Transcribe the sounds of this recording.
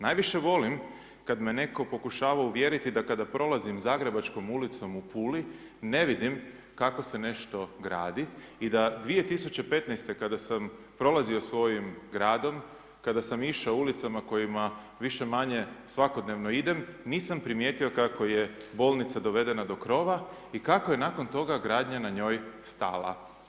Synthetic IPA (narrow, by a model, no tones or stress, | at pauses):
najʋiʃe̞ʋo̞lim | kad̪me̞ne̞ko̞po̞kuʃaːʋauʋje̞ɾit̪id̪akad̪apɾo̞lˠazimzaːɡɾe̞bat͡ʃko̞mulit̪so̞mupuːli | ne̞ʋid̪im | kako̞se̞ne̞ʃt̪o̞ɡɾa̰ːd̪iid̪ad̪ʋije̞t̪isut͡ɕe̞pe̞t̪nɛjst̪e̞kad̪asam | pɾo̞lˠazio̞sʋo̞jimɡɾaːd̪o̞m | kad̪asamiʃaoulit̪samako̞jima | ʋiʃe̞maɲe̞sʋako̞d̪ne̞ʋno̞id̪e̞mniːsampɾimje̞ːt̪iokako̞je̞bo̞ːlˠnit̪sad̪o̞ʋe̞d̪e̞nad̪o̞kɾo̞ʋa | ikako̞je̞nako̞nt̪o̞ɡaɡɾaːd̪ɲanaɲo̞ːjst̪a̰ːlˠa̰